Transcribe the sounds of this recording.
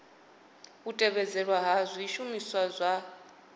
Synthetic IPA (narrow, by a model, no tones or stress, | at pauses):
utʼɛβɛd͡zɛɺwaɦazʷiiʃumiswazʷa